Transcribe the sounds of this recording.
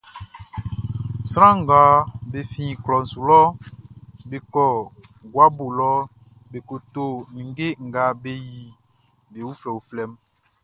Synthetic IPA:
sɾã˦ŋ̩˨ɡa˨˦be˨fĩ˦˨klɔ˨n̩˨su˨lɔ˦ | be˨kɔ˨ | ɡwa˦bo˨lɔ˦ | be˨ko˨to˦˨nĩ˨ŋ˦ɡe˦ŋ̩˨ɡa˨˦be˦ji˨ | be˨wu˦flɛ˨u˨flɛ˦m

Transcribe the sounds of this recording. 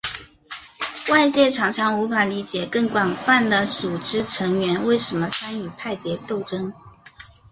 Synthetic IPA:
wa˥˧ɪt͡ɕjɛ˥˩ʈ͡ʂʰɑ˧˥ŋʈ͡ʂʰɑ˧˥ŋu˧˥fa˨˩li˧˥t͡ɕjɛ˨˩kɤ˥˩ŋkwa˨˩nfa˥˩nd̪ə˩t͡su˨˩ʈ͡ʂɻ̩˥ʈ͡ʂʰɤ˧˥ŋɥɛ˧˥nwe˥˩ɪʂə˧˥nmə˧t͡sʰa˥ny˨˩pʰa˥˩ɪpjɛ˧˥t̪o˥˩ʊʈ͡ʂɤ˥ŋ

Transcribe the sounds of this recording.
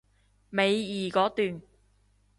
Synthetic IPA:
me˨˧jjiː˨kɔː˨˥t̪yː˨n

